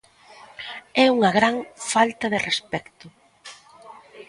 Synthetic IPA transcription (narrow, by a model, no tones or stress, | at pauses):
ɛuŋɐɣɾaŋfalt̪ɐðerespɛkt̪ʊ